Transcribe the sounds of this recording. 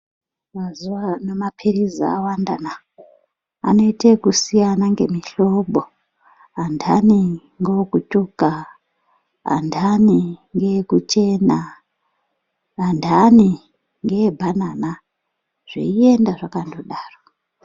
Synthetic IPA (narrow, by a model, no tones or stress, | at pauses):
mazuwanomapʰiriza̰a̰wandana | a̰no̞itekusijanaŋɡe̞miɬo̞bʱo | andʰani | ŋɡokutuka | a̰ndʱaniŋɡekut͡ʃe̞na | andʱani | ŋɡeebʱanana | ʐ̥ḛie̞ndaʐakandoɗaːro